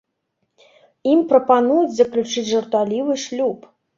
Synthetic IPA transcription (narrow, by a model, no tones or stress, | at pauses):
imprɔpanujut͡sʲzɐklʲut͡ʂɨt͡sʲʐɐrt̪alʲivɨʂlʲup